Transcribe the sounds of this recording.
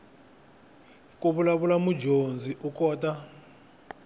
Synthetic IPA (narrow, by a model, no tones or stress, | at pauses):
kʼuɓulaɓulamud͡ʒʱond͡zʱiʔukʼɔːtʼa